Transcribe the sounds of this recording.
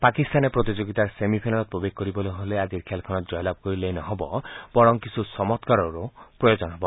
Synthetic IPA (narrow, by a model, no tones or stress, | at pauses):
pakist̪anepɾot̪id͡ʒoɡit̪aɾsemipʰajnalɔt̪̚pɾobeɡ̚ʱkɔɾibɔloɦolead͡ʒiɾkʰjalkʰɔnɔd͡ʒɔjɔlab̚kɔɾilejnɔɦobɔb̥ɔɾɔŋkisʰusɔmɔt̪kaɾɔɾupɾɔjod͡ʒɔnɔɦebɔ